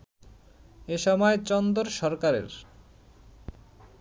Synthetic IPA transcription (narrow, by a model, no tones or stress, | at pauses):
eʃɔmɔet͡ɕɔnd̪oɾʃɔɾkaɾḛɾ